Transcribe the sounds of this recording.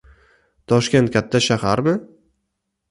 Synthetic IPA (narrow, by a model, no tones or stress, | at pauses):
t̪ʰɒʃkʲe̞nt̪̚kʲʰat̪ʰːaʃahaɾbɪ